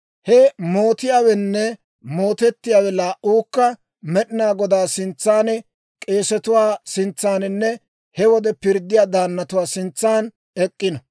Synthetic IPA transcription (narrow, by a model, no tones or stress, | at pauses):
hɛmoːt̪ɪjaːwɛnːɛ | mo̞ːt̪ɛt̪ːɪjaːwɛlaːʔuːkːɐ | mɛɗɪnaːɡɔd̪aːsɪnt͡sːaːnɛ | kʼe̞ːsɛt̪ʊwaːsɪnt͡sːaːnɪnːɛ | hɛwɔd̪ɛpɪɾd̪ːɪjaːd̪aːnːɐt̪ʊwaːsɪnt͡sːaːn | ɛkʼːɪnɐ